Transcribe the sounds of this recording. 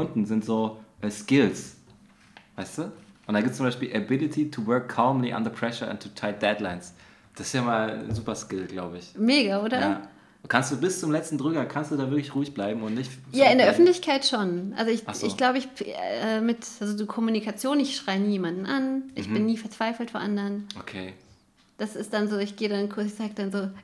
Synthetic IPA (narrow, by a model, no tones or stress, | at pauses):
ʊndn̩zɪntz̥oːʔɛːskɪls | vaɪstuːʔʊntdanɡip̚t͡sʊmbaɪʃpiːlʔabɪlitʰitʰuvɜɐkʰːaːmliʔa̰nðəpʰʁ̥ɛʃəa̰ntʰːutʰaɪd̥ɛdlaɪns | d̥asɪ̥sjaːmaːlnzuːpɐskɪlɡ̥laʊbəɪçmeːɡaʔoːdɐa | kʰanstd̥uːbɪst͡sʊmlɛt͡stn̩dʁʏɡɐkʰanstd̥uːdaːvɪɐklɪçʁuːɪçb̥laɪbm̩ʊntnɪç | jaːɪndeːɐʔœfn̩tlɪçkʰaɪtʃoːnʔa̰lzoɪçasɪ̰çɡ̥laʊbəɪçɛːmɪtʔalzodiːkʰɔmunikʰat͡sjoːnɪçʃʁ̥aɪəniːjeːmandn̩ʔanʔɪçb̥ɪnːiːfɛɐt͡sv̥aɪfl̩tfɔːʔandəʁənʔokʰeː | d̥asɪst̚d̥anzoːɪçɡ̥eːədankʰʊz̥aːɡəd̥anzoː